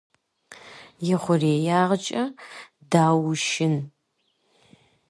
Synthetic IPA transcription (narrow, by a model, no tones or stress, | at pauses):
jɪχʷʊreːjaːʁət͡ʃʼɐ | daːwʊʃɪn